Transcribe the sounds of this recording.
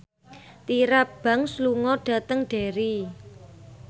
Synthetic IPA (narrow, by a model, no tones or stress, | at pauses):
t̪iɾab̥a̤ŋsluŋɔɖ̥ä̤t̪əŋɖ̥e̤ɾi